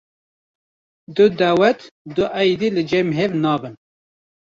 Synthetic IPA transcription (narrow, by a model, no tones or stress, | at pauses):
d̪ʊd̪æwɛt̪d̪ʊʔæjd̪ilɨd͡ʒɛmɦevnɑːbɨn